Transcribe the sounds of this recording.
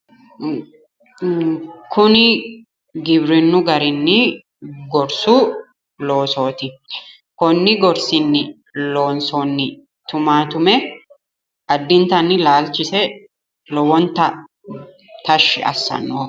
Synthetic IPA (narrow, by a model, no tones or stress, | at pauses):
kʊnɪ | ɡɪbɾɪnːʊɡɐɾɪnːɪ | ɡɔɾsuː | lo̞ːso̞ːt̪ɪ | kɔnːɪɡɔɾsɪnːɪ | lo̞ːnsoːnːɪ | t̪ʊmaːt̪ʊmɛ | ɐd̪ːɪnt̪ɐnːɪlaːlt͡ʃɪsɛ | lɔwɔnt̪ɐ | t̪ɐʃːɪ̰ɐ̰sːɐ̰nːoː